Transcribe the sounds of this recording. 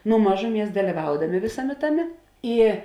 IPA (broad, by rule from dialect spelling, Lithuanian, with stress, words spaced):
nʊ ˈmɑːʒʊˌmʲiɛs dɐlʲɪˈʋɐʊdɐmʲeː ˈʋʲeːsɐˌmʲeː ˈtɑːˌmʲeː ˈiː